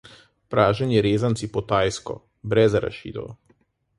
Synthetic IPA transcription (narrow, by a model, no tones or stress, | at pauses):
pɾaːʒɛnjɛɾeːzansipɔt̪aːjskɔ̰ | bɾɛzaɾa̰ʃḭːd̪ɔ̰w